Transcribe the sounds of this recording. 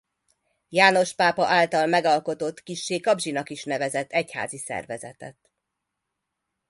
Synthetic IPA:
jaːno̞ʃpaːpɒʔaːlt̪ɒlmɛɡɒlko̞t̪o̞t̪ːkiʃːeːkɒbʒinɒkiʃnɛvɛzɛt̪ːɛcha̰ːzisɛ̰rvɛzɛ̰t̪ɛ̰t̪

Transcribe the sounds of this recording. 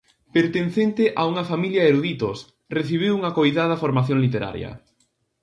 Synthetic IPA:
peɾt̪enθent̪ɪʔauŋɐfamiljaeɾuðit̪os | reθiβ̞iwuŋɐkojðað̞ɐfoɾmaθjoŋlit̪eɾa̰ɾj̰ɐ̰

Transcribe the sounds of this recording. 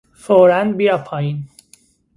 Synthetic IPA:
foɾænbiapʰɑjin

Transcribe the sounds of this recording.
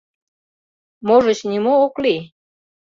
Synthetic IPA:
moʒə̆t͡ɕnimoːkli

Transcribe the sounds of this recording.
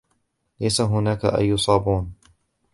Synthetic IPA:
lajsaɦʊnaːka̰ʔa̰jːʊsˤɑːbuːn

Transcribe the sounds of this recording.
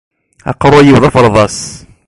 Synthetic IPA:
ɑ̰qːɾˤʊæjiwðˤɑfəɾˤðˤɑs

